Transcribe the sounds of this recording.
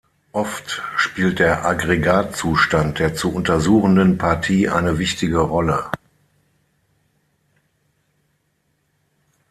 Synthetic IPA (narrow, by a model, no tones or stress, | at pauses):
ʔɔftʃpiːlt̚d̥eːɐʔaɡʁeɡaːtt͡suːʃtant̚d̥eːɐt͡suʔʊntɐzuːχn̩dənpʰaɐtʰiːʔa̰ɪnəvɪçtɪɡəʁɔlə